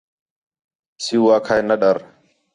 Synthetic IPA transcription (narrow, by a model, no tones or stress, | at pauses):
siwaːkʰajnɐɗɐɾ